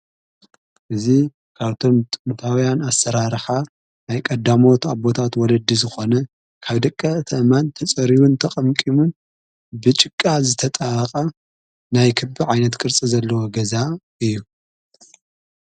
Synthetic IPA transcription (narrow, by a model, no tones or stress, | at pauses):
ʔɨzi | kʰaβt̪ʰo̞mt̪ʼɨnt̪ʰawjanasːɐɾaɾħa | najkʼɐd̪ːamo̞t̪abo̞t̪ʰat̪wɔlɐd̪ːizɨxo̞nɐ | kʰaβd̪ɐkʼːɐt̪ʰɐʔmant̪ʰɐt͡sʼɐɾiβunt̪ʰɐqʼɐmkʼimun | bɨt͡ʃʼɪkʼːazɨt̪ʰɐt̪ʼaqʼa | najkʰɨbɨʕajnɐt̪kʼɨɾt͡sʼizɐlːɐwoɡɐzaʔɨjːu